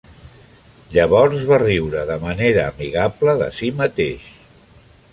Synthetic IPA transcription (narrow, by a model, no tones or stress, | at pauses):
ʎəβɔɾzβariwɾəðəməneɾəːmiɣapləðə̰simət̪eʃ